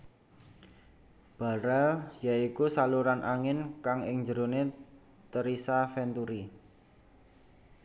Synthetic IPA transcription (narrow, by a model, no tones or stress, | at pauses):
b̥a̤ɾɛljaikusaluɾanʔaŋɪnkaŋɪŋd͡ʒəɾone | t̪əɾisafɛnt̪uɾi